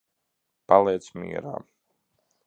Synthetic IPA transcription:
palˠɛːt̪smḭɛɾa̰ː

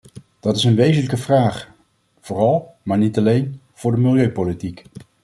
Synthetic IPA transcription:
d̥ɑtɪsənʋejzənləkəvraːχ | v̥ʊːrɑlˠmaːɹnitɑlejn | v̥ʊːɹdəmɪlˠjøɥpolitik

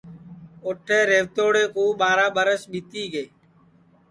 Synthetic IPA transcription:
oʈʰːeːɾeːʋt̪oːɽeːkuːɓaːɾaːɓəɾəsɓit̪iːɡeː

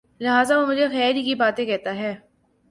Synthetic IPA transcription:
lɪɦaːzaʋomʊd͡ʒʱexɛːɾikibaːt̪ẽkɛɦt̪aɦɛː

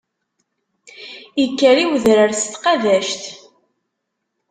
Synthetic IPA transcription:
jəkːəɾiwəðɾəɾst̪qɑðæʃt̪

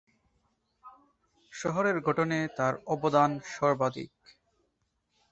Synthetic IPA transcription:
ʃɔɦoɾeɾɡʱoʈonet̪aɾɔbod̪anʃɔɾbad̪ḭk̚

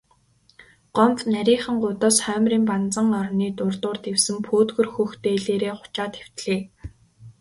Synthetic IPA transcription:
ɢ̥ɔmpnæɾʲiːχə̆ŋɢʊt̪ɔːsχœːmriːmpant͡sə̆ŋɔrniːt̪ʊrt̪ʊːrt̪ewsɘ̆mpʰoːt̪ɡɵ̆rxɵxt̪eːɮeːɾeːχʊ̥t͡ɕaːt̪xew̥t̪ɮeː

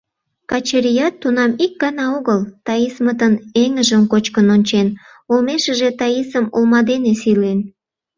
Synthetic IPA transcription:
kɑt͡ɕeɾijɑt̪ːunɑmik̚ɡɑnɑoɣəlt̪ɑismət̪əneŋəʒəmkot͡ɕkənonʲt͡ɕen | olmeʃəʒet̪ɑjisəmolmɑd̪enesilen

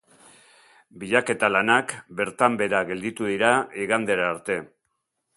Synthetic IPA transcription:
biʎake̞t̪alanakbe̞ɾt̪ambe̞ɾaɣe̞ld̪it̪uðiɾaiɣand̪e̞ɾaːɾt̪e̞

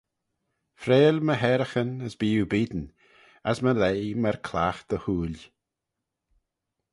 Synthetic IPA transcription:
fɾeːlməɦɛɾəxənəsbiːubiːd̪n | əsməlejməɾkʰlaxd̪̥əhuːl

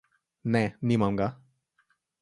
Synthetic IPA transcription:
nɛnimamɡa

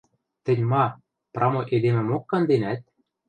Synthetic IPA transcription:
t̪ɘ̆nʲmɑ | prʔɑmoʔed̪emɘ̆mokːɑnd̪enæt̪̚

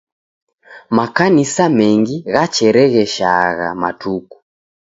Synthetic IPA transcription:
makanisamɛŋɡiɣat͡ʃɛɾɛɣɛʃa̰ɣa̰ma̰tuku̥

